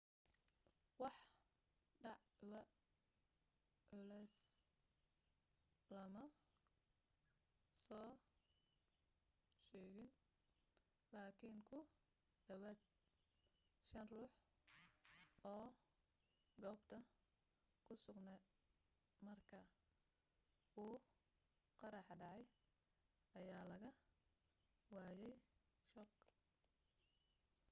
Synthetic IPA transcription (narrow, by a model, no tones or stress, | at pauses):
wɑħ | ɖɑʕwɐ | ʔʊlɛs | lɐmɐ | sɔː | ʃɛːɣɪn | laːkʰiŋkʰʊ | d̪ɐwaːd̪̚ | ʃɐnruːħ | ɔː | ɡɔːbt̪ʰɐ | kʰʊsʊɡnɛ | mɐrkʰɐ | uː | qɑɾɑħɖɑʕɑj | ɐjaːlɐɣɐ | waːjɛj | ʃɔq